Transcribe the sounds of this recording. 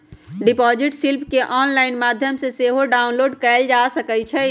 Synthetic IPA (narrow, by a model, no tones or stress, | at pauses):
ɖipɔd͡ʒiʈsilpʰkeʔɔnlaɪnmad̪ʱjəmseseɦoɖaunloːɖkɛld͡ʒasəkɛt͡ʃʰɛ